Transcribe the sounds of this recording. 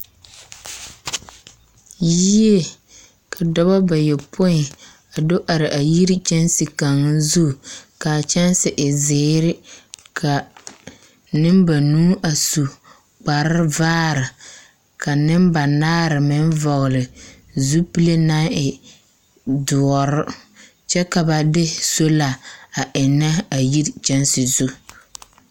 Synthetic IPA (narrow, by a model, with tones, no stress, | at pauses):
ji˦e˦ | kʰa˨dɔ˦ba˦ba˨jɛ˨pʰʊ˦ɪ˨ | a˨do˦ʔa˨ɾɪ˨ʔa˨ji˦ɾi˦t͡ʃɛ˦nsi˨ka˨ŋː˦zu˦˨ka˨t͡ʃɛ˦nsɪ˨ʔɪ˨zeː˨˦ɾɪ˦kʰa˨ | nɪ˦mba˨nuː˦ʔa˨su˨ | k͡pa˨ɾɪ˦vaː˦ɾɪ˨ | ka˨nɪ˦mba˨naː˦ɾɪ˨mɪ˦nvɔ˨ɣlɪ˨ | zu˦pi˦le˦na˦ɪ˨ | dʊ˨ɔ˨ɾʊ˦ | t͡ʃɛ˦ka˨ba˨dɪ˦so˦la˨a˨ʔɪ˨nːa˦a˨ji˦ɾt͡ʃɛ˦nsɪ˨zu˦